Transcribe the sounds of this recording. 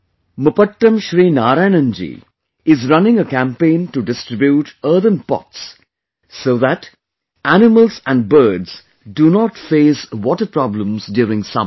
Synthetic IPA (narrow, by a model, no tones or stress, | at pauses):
məpəʈːə̃mʃɾiːnaːɾaɪnə̃nd͡ʒḭ | ɪzɾʌ̃nɪ̃ŋəkæ̃mpẽːnʈuɖɪsʈɾɪbjuːʈəːd̪ə̃npɔ̰tsː | oːðæʈ | ænɪməlsæ̃ɳɖ̚bəːɖz | ɖunɔːʈfeːsʋɔʈəɾpɾɔblə̃mzdjuːɾɪ̃ŋsʌ̰̃